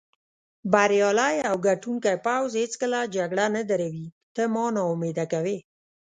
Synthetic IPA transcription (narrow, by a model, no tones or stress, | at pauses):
baɾjɑlajawɡaʈuŋkajpawzhet͡skəlad͡ʒaɡɽanad̪aɾawit̪əmɑnɑʊmed̪akawe